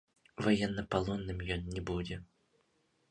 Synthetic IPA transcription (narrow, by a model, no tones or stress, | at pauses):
vajɛnːɐpalˠɔnːɨmjɔnnʲɛbud͡zʲɛ